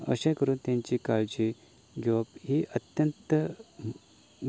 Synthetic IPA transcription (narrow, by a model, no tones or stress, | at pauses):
ə̰ɕãjkəɾuːnt̪jãɲt͡ɕikaɭd͡ʑi | ɡʱeʋapɦiʔət̪jənt̪ə